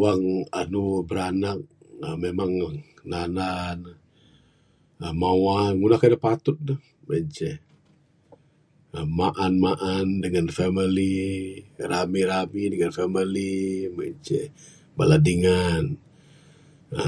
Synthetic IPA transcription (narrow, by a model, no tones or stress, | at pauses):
aŋanubəɾanak̚ | əmemaŋananan | əmawaŋunahkadapat̪ʊt̪̚nəh | met͡ʃɛ | əmaʔanmaʔandəŋanfɛmili | ramiɾamidəŋanfɛmilimət͡ʃɛ | baladiŋan | ə